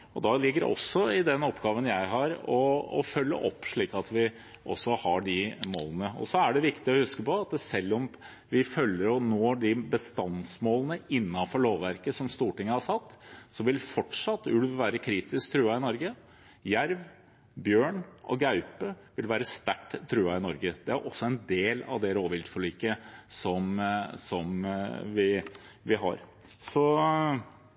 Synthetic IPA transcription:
ɔd̪ɑlɪɡːəɾ̰ɔ̰sːɔɪd̪ɛnɔpːɡɑːʋənjæɪɦɑɾɔɔ̰fœlːə̰ʔɔpːʂɭiːkɑt̪ʰʋɪ | ʔɔ̰sːɔhɑɖɪmo̰ːlənəɔ̰sɔæɖɛʋɪkt̪ɪɔhʉskəpɔɑt̪sɛlːɔm | ʋɪfœlːəɾɔnoːɖɪbəst̪ɑnsmoːlənəɪnːɑnfɔɭoːʋːæɾkəsɔmst̪uːʈɪŋːəhɑsɑt̪ːsɔʋɪlfɔʈʂɑt̪ːʋɪld̪ʋʋæːɾəkʰɾiːt̪ɪsk̚t̪ʰɾuːɑɪnɔɾɡə | jæɾʋ | bjøːɳʔɔ̰ɡɑʉpəʋɪlʋæːɾəst̪æʈːt̪ʰːɾuːæɪnɔɾɡəd̪ɛæɾʔɔsːɔɛnd̪eːlɑ̰ʋd̪ɛɾoːʋɪld̪fɔɭiːkəsɔmsɔmʋɪ | ʋɪɦɑ̰ɾ | sɔ

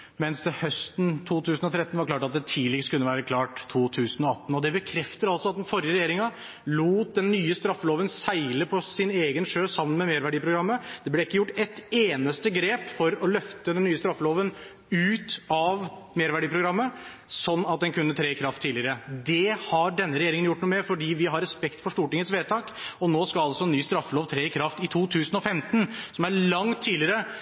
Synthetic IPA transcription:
mɛnsd̪ɛhœst̪n̩t̪ʰuːt̪ʰʉːsnɔt̪ʰɾɛt̪ːnʋɑɾkʰlɑːʈɑt̪̚d̪ɛt̪ʰiːlɪɡskʉnːəʋæːɾəkʰlɑːʈt̪ʰːuːt̪ʰʉːsənɔɑt̪ːn̩ɔd̪ɛbəkʰɾɛft̪əɾɑlsɔɑt̪̚d̪ɛnfɔɾjəɾɛjeːɾɪŋɑ | luːt̪̚d̪ɛnːyːəst̪ɾɑfːəloːʋənsæɪləpʰɔsɪneːɡənʂøːsɑmːənmɛmeːɾʋæɖiːpʰɾʊɡɾɑmːəd̪̥ɛblɛɪkːəjʊʈːɛt̪eːnəst̪əɡɾeːpfɔɾɔlœft̪əd̪ɛnːyːəst̪ɾɑfːəloːʋən | ʉːt̪ɑʋmeːɾʋæɖiːpʰɾʊɡɾɑmːə | sɔnːɑt̪̚d̪ɛnkʰʉnːət̪ʰɾeːɪkʰɾɑft̪ʰːiːlɪɾəd̪ɛhɑɖɛnːəɾɛjeːɾɪŋənjʊʈːnuːmɛfɔɖiːʋɪɦɑɾɛspɛkt̪fɔʂʈ̪uːʈɪŋət̪sʋeːt̪ʰɑːkɔnoːskɑlɑlsɔɛnːyːst̪ɾɑfːəloːʋt̪ʰɾeːɪkʰɾɑft̪ɪt̪ʰuːt̪ʰʉːsənɔfɛmt̪nsɔmæɾɭɑŋt̪ʰːiːlɪəɾə

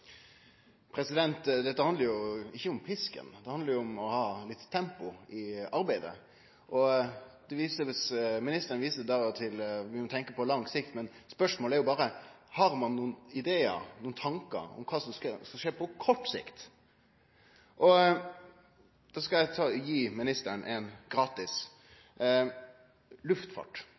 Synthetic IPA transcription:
pʰɾɛsɪd̪ɛnt̪d̪ɛt̪ːəhɑnd̪əɾjʊɪçːəʊmpʰɪskə̰nd̪ɛhɑnd̪əɾjʊʊmɔhɑːlɪt̪ːtʰːɛmpʊʔɪɑɾbæɪd̪ə̰ | ʔɔd̪̥ɛʋiːsəʋɪsmɪnɪst̪əɾənʋiːsəd̪ɑt̪ʰɪlʋɪmɔt̪ʰɛŋkəpʰɔlɑŋsɪkt̪mɛnspœʂmoːlæɾjʊbɑːɾə | hɑɾmɑnːuːnɪd̪eːə̰ɾnuːnt̪ʰɑŋkə̰ɾɔ̰mkʰɑːsɔmskskɑʂeːpʰɔkʰɔʈːsɪ̰kt̪ | ʔɔ | d̪̥ɑːskɑæɪt̪ʰɑːjiːmɪnɪst̪əɳʔɛnɡɾɑːt̪ɪs | lʉft̪fɑ̰ʈː

